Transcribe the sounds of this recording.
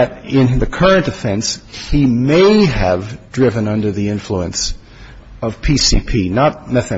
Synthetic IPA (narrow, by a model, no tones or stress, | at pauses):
ɨɾɪ̃nðɨkʰɜ˞ɨ̃ntɨfɛ̃nshimeɪɨvdɹɪvɨ̃nʌ̃ndə˞ðiɪ̃ɱfluɨ̰̃ns | ʌv̥pʰisḭpʰinət̚mɛθɨ̃